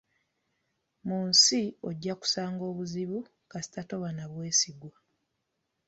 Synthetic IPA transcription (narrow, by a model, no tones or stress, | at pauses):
muːnsio̞ɟːaku̥saːŋɡo̞ːβuziβu | kasi̥tato̞βanaβwe̞ːsiɡwa